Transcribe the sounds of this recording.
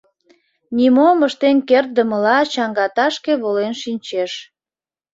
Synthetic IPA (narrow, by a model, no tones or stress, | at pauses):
nʲimoməʃt̪enkert̪̚d̪əməlɑt͡ɕɑŋɡɑt̪ɑʃkeβolenʃinʲt͡ɕeʃ